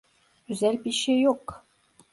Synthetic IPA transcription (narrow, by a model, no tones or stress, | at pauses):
yzælʲpiʃejok